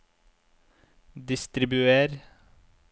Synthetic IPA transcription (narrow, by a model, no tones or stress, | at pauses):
d̪ɪst̪ɾɪbʉeːɾ